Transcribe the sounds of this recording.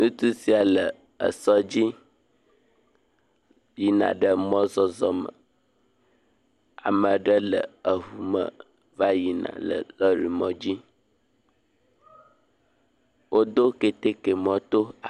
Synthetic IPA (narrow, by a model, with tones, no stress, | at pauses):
nũ˦t̪u˦si˦a˨lə˨ | ə̰˨sɔ˦d͡ʑi˦ | ji˨nã̰˨ɖə˦mɔ̃˦zɔ˦zɔ˦mə̰˨ | a̰˨mə̃˨ɖə˦lə˨ə˨ɦu˨mə̰˨ | va˦ji˨nã̰˨lə̰˨lə˦ɾi˨mɔ̃˦d͡ʑi˦ | wʔo˦d̪o˦ke˦t̪e˦ke˨mɔ̃˦t̪o˦a˨